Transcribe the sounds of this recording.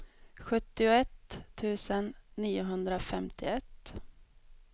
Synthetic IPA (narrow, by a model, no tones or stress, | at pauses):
ɧɵt̪ːɪʊɛt̪ʰːʉ̟ːsənːiːʊɦɵnd̪ɾafɛmt̪ʰɪɛt̪ː